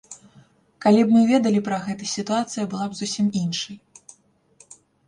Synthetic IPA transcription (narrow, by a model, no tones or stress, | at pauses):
kalʲibmɨvʲɛd̪ɐlʲipɾɐɣɛt̪ɐsʲit̪uat̪sɨjɐbɨlˠabzusʲiminʂɐj